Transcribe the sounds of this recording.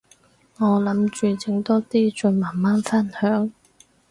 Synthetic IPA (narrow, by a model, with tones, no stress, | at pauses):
ŋɔː˨˧lɐ˨˥mt͡ʃyː˨t͡sɪ˨˧˥ŋt̪ɔː˥t̪iː˥˩t͡sɵ˨˩maː˨˩nmaː˥nfa˥˩nhœː˨˥ŋ